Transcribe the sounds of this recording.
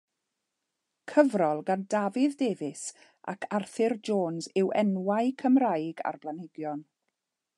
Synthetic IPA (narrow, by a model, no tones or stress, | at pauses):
kʰəvrɔlˠɡandavɪðdeːvɪs | ʔa̰kʰarθɪrd͡ʒoːnzɪwʔɛnwaɨkʰəmrajɡa̰rblˠanɪɡjɔn